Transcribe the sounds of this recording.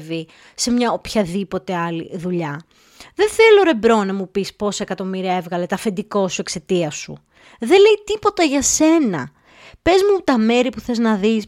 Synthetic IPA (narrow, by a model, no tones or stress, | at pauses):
vi | se̞mɲɐopçɐðipo̞t̪eɐlḭðuʎɐ | ðeθe̞lo̞ɾe̞bɾo̞nɐmupispo̞sekɐt̪o̞miɾiɐevɣɐle̞t̪ɐfe̞nd̪iko̞sue̞kse̞t̪iɐsṵ | ðe̞le̞jt̪ipo̞t̪ɐʝɐse̞nɐ̰ | pe̞zmut̪ɐme̞ɾipuθe̞znɐðis